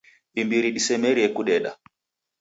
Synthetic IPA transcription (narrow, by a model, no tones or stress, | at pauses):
imbiɾiɗisɛmɛɾiɛkuɗɛɗa̰